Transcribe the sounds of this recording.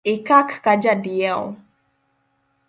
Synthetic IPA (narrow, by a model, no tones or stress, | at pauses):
ɪkakːad͡ʒadiɛɔ